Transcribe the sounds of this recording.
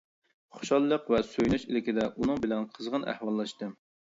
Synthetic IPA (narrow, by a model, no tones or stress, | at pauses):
χo̥ʃɑlˠːəqvɛsøjlyʃilɪkʲid̪ɛʔunɨŋbɪlɛnqʰəzʁənʔæ̰hwɑlˠːɑʃt̪ɨ